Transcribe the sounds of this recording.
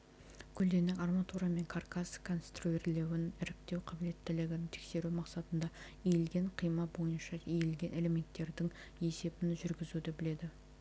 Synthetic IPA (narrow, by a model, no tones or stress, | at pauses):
kʲʰʏld̪e̞nɪkarmat̪uɾɑme̞ŋkʰarkaskʰo̞nst̪ruerle̞wɪnɪɾɪk̚t̪e̞wqʰɑbɪle̞t̪ːɪlɪɡʲɪnɪŋt̪ʰekse̞ɾumɑqsɑt̪ənd̪ɑ | ejelɡʲe̞ɴqʰijmɑbo̞jənʃɑejelɡʲe̞nʔe̞le̞me̞nt̪ːe̞ɾd̪ɪŋ | e̞se̞bɪnʒʏɾɡʲɪzud̪ɪbɪle̞d̪ɪ